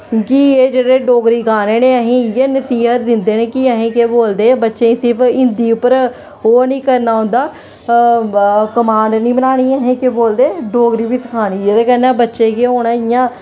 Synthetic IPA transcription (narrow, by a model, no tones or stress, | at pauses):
kieːd͡ʒeːɽeːɖoːɡɾiːɡaːneːneːəɦĩːjeːnəsiːɦət̪̚d̪ɪnd̪eːneːkiəɦẽːkeːboːld̪eːbətːʃeːisɪɾpʰɪnd̪iːʊpəɾ | ɦoːnĩːkəɾnaːɦʊ̃nd̪aː | kəmaːɳɖnĩːbənaːɽ̃iːɦẽːkeboːld̪eːɖoːɡɾiːbiːsəkʰaːɽ̃iːeːd̪eːkɛːnɛːbətːʃeːkeːɦoːɽaːɪjãː